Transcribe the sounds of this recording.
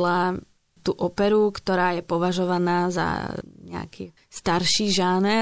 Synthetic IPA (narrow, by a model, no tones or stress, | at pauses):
la | t̪uːʔɔpɛɾukt̪ɔɾaːjɛpɔʋaʒɔʋanaːza̰ɲɛa̰kiː | st̪aɾʃiːʒaːnɛ